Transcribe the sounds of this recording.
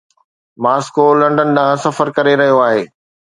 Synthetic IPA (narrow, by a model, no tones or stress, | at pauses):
maːskolɐ̃ɳɖənɗaãsɐfəɾkɐɾeɾɐɦijoaːɦeː